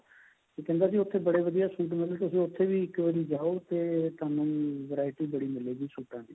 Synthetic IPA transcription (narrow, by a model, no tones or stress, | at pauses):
t̪ekɛ̃ːnd̪aːs̬iːʊt̪ʰːeːbəɽeːʋəd̪ijaːsuːʈ̬mɪlt̪ʊsĩːʊt̪ʰːeːʋiːɪkʋəd̪iːd͡ʒaːoːt̪eːt̪ʊaːnũːʋəɾaːɪʈiːbəɽiːmɪleːɡiːsuːʈãːneː